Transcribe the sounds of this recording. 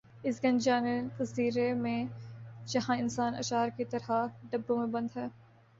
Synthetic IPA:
ɪsɡɐ̃nd͡ʒaːnekɐziːɾemẽd͡ʒɐɦãɪnsaːnɐ̰ʃaːɾkit̪ɐɾɦaɖɐbːõmẽbɐ̃nd̪ɦɛː

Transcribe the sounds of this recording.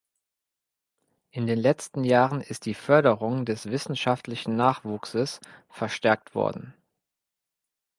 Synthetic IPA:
ʔɪndeːnlɛt͡stn̩jaːʁənɪst̚d̥iːfœɐɾəʁʊŋdɛsv̥ɪsn̩ʃaftlɪçn̩naːχv̥uːksəsfɛɐʃtɛɐk̚tv̥ɔ̰ɐdn̩

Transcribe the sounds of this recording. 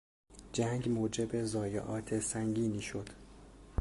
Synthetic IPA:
d͡ʒæŋɡmoːd͡ʒe̞be̞zɒːjḛʔɒːt̪ʰe̞sæŋɡiːniːʃo̞d̪̥

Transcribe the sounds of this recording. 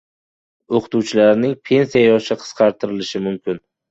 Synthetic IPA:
oqʰɨ̥t̪uwt͡ʃʰɪlaɾnɪŋpʰe̞nsijajɒʃaqʰɨ̥sqʰɑɾt̪ʰɪɾɪlɪʃɪmʊmkʲɪn

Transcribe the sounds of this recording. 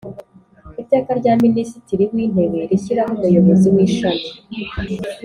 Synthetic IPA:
iteːkaɾɟaːminisitiɾimwiːn̥e̞we̞ɾiçiɾaɦumujo̞βo̞ziwiːʃami

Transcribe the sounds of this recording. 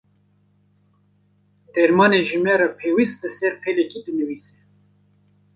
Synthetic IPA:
d̪̥ɛɾmɑːneʒɨmɛɾɛpʰeːwist̪lɨsɛɾpʰɛlɛkid̪ɨnɨwiːsɛ

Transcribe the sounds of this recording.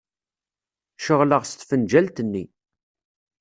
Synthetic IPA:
ʃəʁləʁst̪fənd͡ʒælt̪ənːi

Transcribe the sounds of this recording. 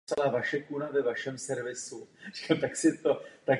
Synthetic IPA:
salaːvaʃɛkunavɛvaʃɛmsɛɾvɪsur̥i̥kamt̪aksɪt̪ot̪ak

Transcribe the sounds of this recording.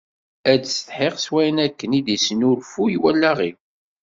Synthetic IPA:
æd̪sə̥t̪ħeqswæjənækːənid̪isnʊɾfujwælːæʁi

